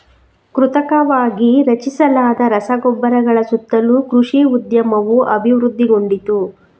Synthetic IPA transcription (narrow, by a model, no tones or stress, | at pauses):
kɾut̪ɐkɐʋaːɡiɾɐt͡ʃisɐlaːd̪ɐɾɐsɐɡɔbːɐɾɐɡɐɭɐsut̪ːɐlukɾuʂiːud̪jɐmɐʋuʔɐbʱiʋɾud̪ʱːiɡo̞ɳɖit̪u